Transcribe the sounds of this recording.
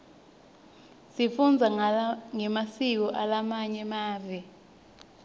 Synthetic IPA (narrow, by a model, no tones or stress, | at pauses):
sifund͡zʱaŋɛmasik̬ɔʔalamaɲɛmaːvɛ